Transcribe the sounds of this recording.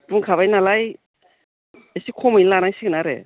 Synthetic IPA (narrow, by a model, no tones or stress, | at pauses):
puŋkʰaβajnalaj | esikʰɔmɯjnlanajsiɡɯnaɾɛ̰